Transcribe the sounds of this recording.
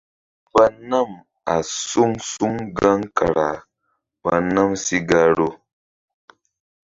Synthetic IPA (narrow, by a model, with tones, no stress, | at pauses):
va˦na˦˨m | a˨su˦ŋsu˦ŋɡa˦ŋka˨ɾa˨ | va̰˧na˦msi˦ɡa˦ɾo˦